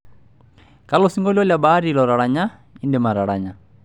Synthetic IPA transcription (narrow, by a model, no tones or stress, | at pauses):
kalosiŋɡɔlɔljabaɾilɔɾaɺaɲa | indɛmaɾaɺaɲa